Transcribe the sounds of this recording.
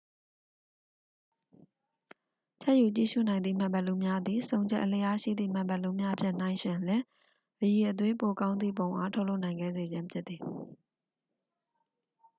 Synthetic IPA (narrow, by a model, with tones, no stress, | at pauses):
t͡ɕʰɛ˦ʔju˨t͡ɕḭ˦˨ʃṵ˦˨nã˨ɪ̃nd̪ḭ˦˨m̥ã˨mbɛ˦ʔlu˦mja˦d̪i˨sõ˨ʊ̃ɲd͡ʑɛ̰˦ʔəl̥ɛ˦ʔa˦ʃḭ˦˨d̪ðḭ˦˨m̥ã˨mbɛ˦ʔlu˦mja˦ʔəpʰjɪ̰̃˦˨n̥ã˨ɪ̃ʃɪ̃˨lɛ̥̃˦˨ | əji˨ʔət̪̬wẽ˦po˨kã˦ʊ̃nd̪ḭ˦˨põ˨ʊ̃ʔa˦tʰo˦ʔlo˦ʊʔnã˨ɪ̃ŋɡɛ̰˦˨ze˨d͡ʑɪ̃˦mpʰjɪ˦t̪̚t̪ːi˨